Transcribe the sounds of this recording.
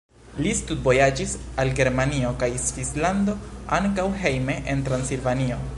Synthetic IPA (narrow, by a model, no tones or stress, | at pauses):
listud̚bo̞jad͡ʒisalɡe̞ɾmanio̞kajsvislando̞aŋkawɦe̞jme̞ʔentɾansilvanio̞